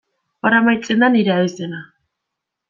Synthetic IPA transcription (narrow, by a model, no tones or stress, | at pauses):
paɾamajt͡se̞nd̪aniɾeaβizd̪e̞na